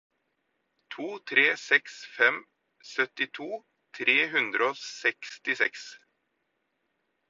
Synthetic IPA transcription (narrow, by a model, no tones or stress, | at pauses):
t̪ʰuːt̪ʰɾeːsɛksfɛm | sœt̪ɪt̪ʰuː | t̪ʰɾeːɦʉnd̪ɾəoːsɛkst̪ɪsɛks